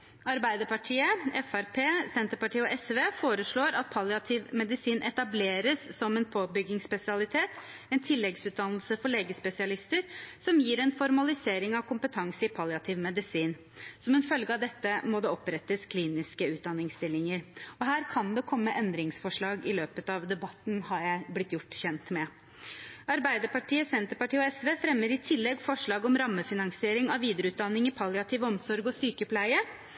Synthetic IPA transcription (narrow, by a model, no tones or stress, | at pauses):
ɑɾbæɪd̪əɾpɑʈʰiːəɛfæɾpʰeːsɛnt̪əɾpɑʈiːəɔʔɛsʋeːfoːɾəʂɭoːɾɑt̪̚pʰɑlɪɑt̪ʰɪʋmɛd̪ɪsiːnʔɛt̪ɑbleːɾəsːɔmɛnpʰoːbʏɡːɪŋspɛsɪɑlɪt̪ʰeːt̪ | ɛnt̪ʰɪlːɛɡsʉːt̪̚d̪ɑnlsəfɔɭeːɡəspɛsɪɑlɪst̪əɾsɔmjiːɾɛnfɔɾmɑlɪseːɾɪŋɑʋkʊmpət̪ʰɑŋsəɪpʰɑlɪɑt̪ʰɪʋmɛd̪ɪsiːn | sɔmɛnfœlɡəɑʋd̪ɛt̪ːəmɔd̪ɛɔpɾɛt̪ːəskʰliːnɪskəʉːd̪ɑnːɪŋst̪ɪlːɪŋəɾɔɦæːɾkʰɑnd̪ɛkʰɔmːəʔɛnd̪ɾɪŋsfɔʂɭɑːɡɪløːpət̪ɑʋd̪ɛbɑt̪n̩hɑɾjæɪblɪt̪jʊʈːçɛnt̪mɛ | ɑɾbæɪd̪əɾpɑʈʰiːəsɛnt̪əɾpɑʈiːəɔɛsʋeːfɾɛmːəɾɪt̪ʰɪlːɛɡfɔʂɭɑːɡɔmɾɑmːəfɪnɑŋsɪeːɾɪŋɑʋʋiːd̪əɾəʉːt̪̚d̪ɑnːɪŋɪpʰɑljɑt̪ʰɪːʋəɔmsɔɾɡɔsyːkəpʰlæɪə